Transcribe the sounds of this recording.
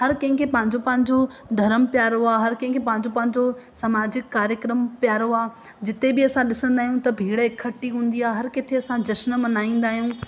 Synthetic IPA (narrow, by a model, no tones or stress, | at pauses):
hɐɾkɐ̃ɦɪ̃kʰepɐ̃ɦɪ̃ɲd͡ʑopɐ̃ɦɪ̃ɲd͡ʑo | d̪ʱɐɾəmpjaːɾoaːɦɐɾkɐ̃ɦɪ̃ŋkʰepɐ̃ɦɪ̃ɲd͡ʑopɐ̃ɦɪ̃ɲd͡ʑosɐmaːd͡ʑɪkːaːɾjəkɾəmpjaːɾoaː | d͡ʑɪt̪ebɪɐsãɗɪsə̃nd̪aːɦjũt̪ɐbʱiːɽəɦɪkʰːɐʈiɦũːn̆d̪iaːeɦɐɾkɪt̪ʰeɐsãd͡ʑɐʃnəmɐ̃naːĩːn̆d̪aːɦijũː